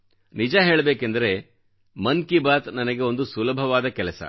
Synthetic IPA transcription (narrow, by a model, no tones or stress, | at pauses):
nid͡ʒaɦe̞ːɭɐbeːkend̪ɐɾe̞ | mɐnkibaːt̪nɐnɐɡe̞o̞nd̪usulɐbʱɐʋaːd̪ɐkɛlɐsɐ̰